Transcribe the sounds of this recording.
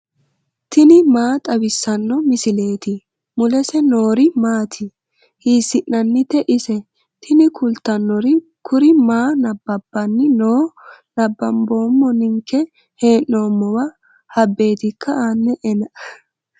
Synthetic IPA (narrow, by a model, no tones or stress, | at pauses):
t̪ɪnɪmaːt̪ʼɐbɪsːɐnːɔmɪsɪle̞ːt̪ɪ | mʊlɛsɛno̞ːɾɪmaːt̪ʰɪ | hiːsːɪʔːɐnːɪt̪ːɛʔɪsɛ | t̪ʰɪnɪkʰʊlt̪ːɐnːɔɾɪ | kʊɾɪmaːnɐbːɐbːɐnːɪnoːnɐbːɐmbo̞ːmːɔnɪŋkːɛ | he̞ːnːo̞ːmːɔwɐ | hɐbːe̞ːt̪ɪkʰːɐaːnːɛʔɛnɐ